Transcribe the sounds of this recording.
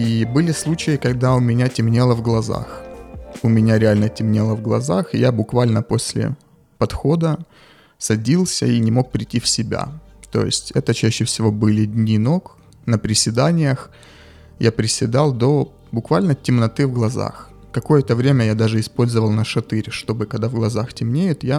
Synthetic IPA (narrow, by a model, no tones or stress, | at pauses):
ibɨlʲɪslˠut͡ɕɪjɪkɐɡd̪aʊmʲɪnʲatʲɪmnʲe̞lˠəvɡlˠɐza̰x | ʊmʲɪnʲaɾʲɪalʲnətʲɪmnʲelˠəvɡlˠɐ̰zaxɪjabʊkvalʲnəpo̞sʲlʲɪ̰ | pɐt̪xo̞d̪ə | sɐdʲilˠsʲə̰inʲɪmo̞k̚pɾʲɪtʲːifsʲɪbʲa̰ | t̪o̞̰jɪ̰sʲtʲɛt̪ət͡ɕæɕːɪfsʲɪvo̞bɨlʲɪdʲnʲino̞k | nəpɾʲɪsʲɪd̪anʲɪjəx | japɾʲɪsʲɪd̪alˠd̪o̞ | bʊkvalʲnətʲɪmnɐt̪ɨvɡlˠɐza̰x | kɐko̞jət̪əvɾʲemʲəjad̪aʐɨɪspo̞lʲzəvəlˠnəʂɐt̪ɨɾʲʂt̪o̞bɨkɐɡd̪avɡlˠɐzaxtʲɪmnʲejɪt̪ja